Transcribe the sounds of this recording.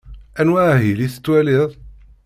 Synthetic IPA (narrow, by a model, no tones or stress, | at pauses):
ʔænwæʕɦiliθə̥t̪ːwæliðˤ